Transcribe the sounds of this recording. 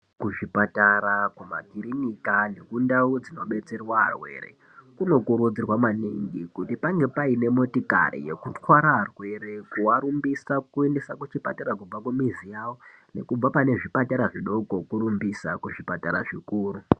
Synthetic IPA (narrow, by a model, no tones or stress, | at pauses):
kuʐipataɾakuma̰ɡʱiɾinikane̞kundaud͡zino̞ɓe̞t͡se̞rwaɦa̰rwe̞̰rḛ | kuno̞kuɾud͡zirwamaniŋɡikutipaŋɡepaine̞mo̞tika̰ɾḭje̞̰kutwaɾaɦarwe̞ɾe̞kuwaɾumbisakue̞nde̞sakut͡ʃipataɾakub͡vakumizijawo̞ | ne̞̰kub͡vapane̞ʐipataɾaʐiɗo̞ko̞kuɾumbisakuʐipataɾaʐikuːru